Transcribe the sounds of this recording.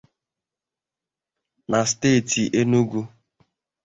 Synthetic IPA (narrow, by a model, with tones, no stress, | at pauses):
na˨ste˦˨ti˨ʔe˦nu˦ɡu˦